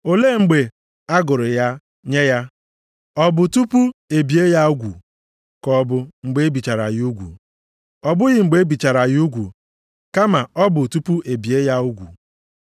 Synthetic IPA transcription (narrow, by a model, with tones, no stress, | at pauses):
o˨le˦˨ŋ͡m̩˨ɡ͡be˨ | a˦ɡʊ˨ɾʊ˨ja˦ | ɲe˦ja˦ | ɔ˦bʊ˨tu˦pu˦e˨bi˨˦e˦ja˦u˦ɡʷṵ˨ | kɔ˦bʊ˦ŋ͡m̩˨ɡ͡be˦e˦bi˨t͡ʃa˨ɾa̰˨ɣɪ˦u˦ɡʷṵ˨ | ɔ˨bʊ˦ɣɪ˨ŋ͡m̩˨ɡ͡be˦bi˨t͡ʃa˨ɾa˨ɣu˦ɡʷṵ˨ | ka˦ma˨ɔ˦bʊ˨tu˦pu˦e˨bi˨e˦ja˦u˦ɡʷṵ˨